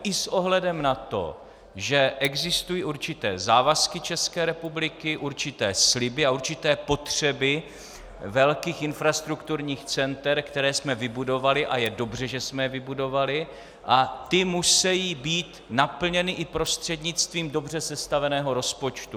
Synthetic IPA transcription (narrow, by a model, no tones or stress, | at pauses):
ʔɪsʔo̞ɦlɛdɛmnat̪o̞̰ | ʒɛʔɛɡzɪst̪ujiːʔuɾt͡ʃɪt̪ɛ̰ːzaːvaskɪt͡ʃɛskɛːɾɛpublɪkɪʔuɾt͡ʃɪt̪ɛːslɪbɪauɾt͡ʃɪt̪ɛːpo̞t̪r̝̥ɛbɪ | vɛlkiːxʔɪnfɾast̪ɾukt̪uɾɲiːxt͡sɛnt̪ɛɾkt̪ɛɾɛːsmɛvɪbudo̞valɪʔajɛdo̞br̝ɛʒɛsmɛvɪbudo̞valɪ | ʔat̪ɪmusɛjiːbiːt̪napl̩ɲɛnɪʔɪpɾo̞st̪r̝̥ɛdɲɪt͡st̪viːmdo̞br̝ɛsɛst̪avɛnɛːɦo̞ɾo̞spot͡ʃt̪u